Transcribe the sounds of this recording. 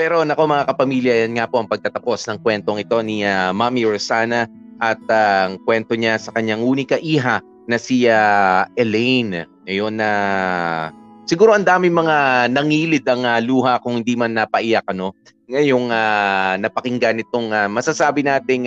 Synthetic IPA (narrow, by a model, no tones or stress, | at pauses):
pɛɾo̞nɐko̞mɐŋakɐpɐmiːljɐjɐnŋapo̞ʔɐŋpɐɡ̚t̪ɐt̪ɐpo̞snɐŋkwɛnt̪oŋɪt̪o̞niamamiɹosaːnɐ | ʔɐt̪̚aŋkwɛnt̪o̞ɲasɐkɐɲaŋʔuːnikɐʔiːɦɐ | nɐsiaɛlɛjn | ɐjo̞nːɐ | sɪɡuːɾo̞ʔɐnd̪aːmɪŋmɐŋanɐŋiːlɪd̪ɐŋɐluːɦɐkʊŋhɪnd̪imanːɐpɐʔɪjak̚ɐno̞ | ŋɐjo̞ŋanɐpɐkɪŋɡanɪt̪o̞ŋamɐsasaːbɪnaːt̪ɪŋ